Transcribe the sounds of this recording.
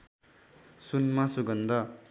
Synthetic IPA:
sunmasuɡʌnd̪ʌ

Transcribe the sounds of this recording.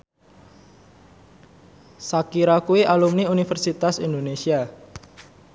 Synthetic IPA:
sakiɾakueʔalumniunifərsit̪asind̪onesia

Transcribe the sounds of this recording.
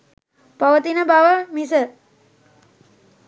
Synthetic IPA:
paʋət̪inəbaʋəmisə

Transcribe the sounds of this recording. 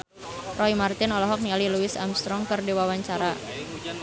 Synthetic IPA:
rɔimart̪ɪnɔlɔɦɔk̚nialiluɪsa̰mst̪ɾɔŋkərdiwawaɲt͡ʃaɾa

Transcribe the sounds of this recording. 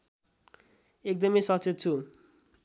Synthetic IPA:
ek̚d̪ʌmejsʌt͡sʰet̪̚t͡sʰu

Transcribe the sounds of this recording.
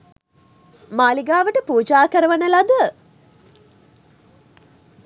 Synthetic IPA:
maːliɡaːʋəʈəpuːd͡ʒaːkəɾəʋanəlad̪ə

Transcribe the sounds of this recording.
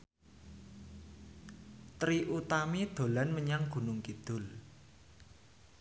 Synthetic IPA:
t̪ɾiʔut̪amid̪̥o̤lanməɲaŋɡ̥ṳnʊŋkid̪̥ʊ̤l

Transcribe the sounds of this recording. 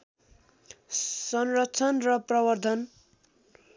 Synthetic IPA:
sʌnrʌt͡sʰʌnrʌprʌbʌrd̪ʱʌn

